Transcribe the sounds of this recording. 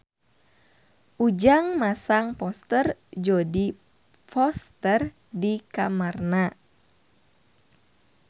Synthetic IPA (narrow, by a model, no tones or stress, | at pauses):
ʔud͡ʒaŋmasaŋpɔst̪ərd͡ʒɔdi | fɔst̪ər | dikamarna